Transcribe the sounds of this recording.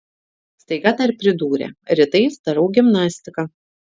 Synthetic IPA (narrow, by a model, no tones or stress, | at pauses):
st̪ɐɪɡɐd̪ɐɾʲpʲɾʲɪd̪uːɾʲɛ̰ɾʲɪt̪ɐɪst̪ɐɾɐʊɡʲɪmnɑːsʲt̪ʲɪkɑ